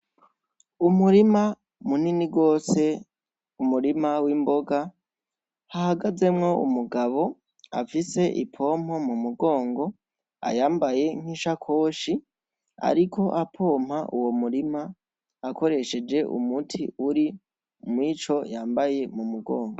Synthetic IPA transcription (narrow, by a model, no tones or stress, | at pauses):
umuɾima | muniniɡo̞ːse̞ | umuɾimawimbo̞ɡa | hahaɡaze̞mŋo̞ṵmuɡaβo̞ | a̰fise̞ʔḭpʰo̞ːm̥o̞mumuɡo̞ːŋɡo̞ | a̰jaːmbaje̞ŋ̥iʃakʰo̞ːʃi | a̰ɾikʰo̞ʔapʰo̞ːm̥haʔuwo̞muɾimaː | ko̞ɾe̞ʃe̞d͡ʒe̞ʔṵmutʰiuɾi | mwiːt͡ʃo̞jaːmbaje̞mumuɡo̞ːŋɡo